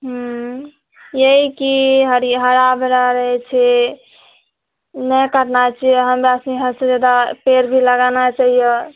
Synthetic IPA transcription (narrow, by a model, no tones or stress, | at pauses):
ɦ | jeikiɦɾiɦəɾabɾaɾəɦɛt͡ʃʰɛ | nɛkəɾnat͡ʃijeɦəmɾasniɦəsed͡ʒad̪apeɾbʱiləɡanat͡ʃaɦijə